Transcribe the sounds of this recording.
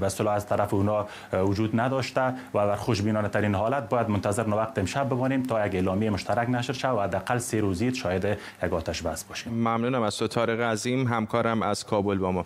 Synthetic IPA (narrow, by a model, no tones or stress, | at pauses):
baɪst̪ɪlɔazt̪aɾafɪunɒ | wʊd͡ʒud̪nad̪ɒʃt̪awad̪aɾxʊʃbinɔnat̪aɾinɦɒlat̪̚bɔjad̪mʊnt̪azɪɾnowaq̚t̪ɪɪmʃab̚ːɪmɔnemt̪ʰɒjaɡeːlɔmjejmʊʃt̪aɾaknaʃɾʃaawahad̪ːɪaqalseɾozit̪ʃɔjɪd̪ɪ | jaɡɔt̪aʃbasbɔʃemmamnuːnamaz̥sot̪ʰɒːɾeɣazimɦamkʰɒːɾæmæz̥kʰɒːbolbɒmɒ